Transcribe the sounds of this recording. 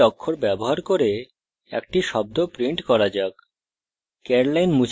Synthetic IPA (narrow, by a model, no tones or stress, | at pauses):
ɔkʰːoɾbɛboɦaɾkoɾe | ɛ̰k̚ʈiʃɔb̚d̪opɾiɳʈkɔɾad͡ʑak | keɾlajnmut͡ɕ